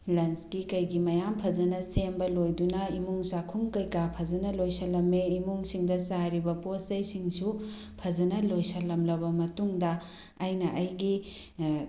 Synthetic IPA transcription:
lɐnskikɐjɡimɐjampʰɐzɐnɐsembɐlojdunɐimuŋsakʰuŋkɐjkapʰɐzɐnɐlojsɐlːɐmːeimuŋsiŋdɐsaɾibɐposɐjsiŋsu | pʰɐzɐnɐlojsɐlːɐmlɐbɐmɐtuŋdɐː | jnɐʔɐjɡi

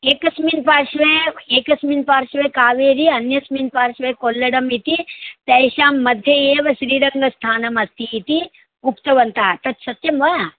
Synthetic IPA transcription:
eːkɐsmiːnpaːɾʃʋẽeːkɐsmiːnpaːɾʃʋẽkaːʋeːɾiɐnjɐsmiːnpaːɾʃʋekoːlːɐɽɐmit̪it̪ɐjʃaːmːɐd̪ʱjɐeːʋɐʃɾiːɾɐŋɡɐst̪ʰaːnɐmɐst̪ʰiːt̪i | upt̪ɐʋɐnt̪aːt̪ɐt̪sɐt̪jɐmʋa

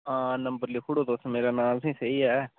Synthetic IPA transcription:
ãːnəmbəɾliːkʰʊɽoːd̪oːsmeːɾaːnaːlsĩːsəiːɦɛː

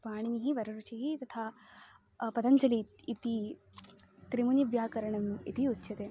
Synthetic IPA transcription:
paːɳ̃iniɦiʋɐɾɐɾut͡ʃiɦit̪ɐt̪ʰa | pɐd̪ɐnt͡ʃɐliit̪i | t̪ɾimuniʋjaːkɐɾɐɳɐmḭt̪ʰiutːɕʰɐt̪eː

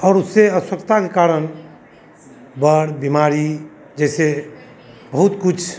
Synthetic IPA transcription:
ɔːɾuseəswəkt̪akekaɾən | bəɽbimaɾi | d͡ʒɛɪse | bəɦut̪kut͡ʃʰ

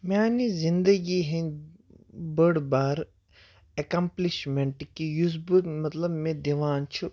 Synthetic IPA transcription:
mʲaːnizind̪ɐɡiɦẽn | bəɽbaːɾ | ekɐmpliʃmeɳʈkijuzbumɐt̪lɐbmẽd̪eʋaːnt͡ʃʰu

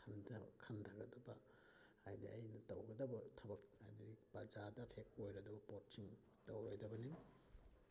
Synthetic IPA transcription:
nkʰɐntʰaɡɐdɐbɐ | ajdiajnɐtawɡɐdɐbɐtʰɐbɐk̚ajdipad͡ʒadɐpʰek̚ojɾɐdɐbɐpotsiŋ | tawojdɐbɐniŋ

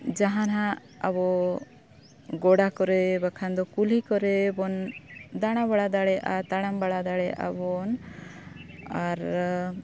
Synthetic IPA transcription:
d͡ʒaɦanɦãʔ | abɔ | ɡɔɽakɔɾɛbakʰand̪ɔkulikɔɾɛbɔnd̪aɽ̃aβaɽad̪aɽɛʔat̪aɽ̃ambaɽad̪aɽɛʔa̰bɔn | aɾ

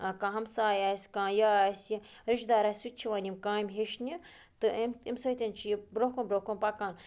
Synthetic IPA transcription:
kãɦɐmsaːjaːsʲkãːjaːsji | ɾiʃd̪aːɾasut͡ʃʰiʋaːnʲimkãːimʲɦeʃnʲi | t̪ɨmḭmsot̪ʲent͡ʃʰijibɾokonbɾoːkonpakãːn

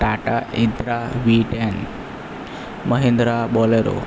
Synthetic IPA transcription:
ʈaʈaint̪ɾaʋiʈen | məɦind̪ɾabɔleɾo̰

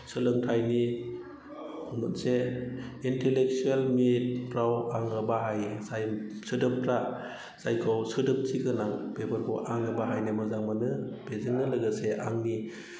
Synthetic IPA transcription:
sɯlɯŋtʰajni | nunseː | ntelek̚t͡ʃuelmit̚ɾawaŋɡɯbaɦajsajsɯdɯp̚tʰɾa | sajkʰɔwsɯdɯp̚tiɡɯnaŋb̥ebɯɾkʰɔʔaŋɡɯbaɦajnemɯzaŋmanɯb̥ezɯŋnɯlɯɡɯseʔa̰ŋni

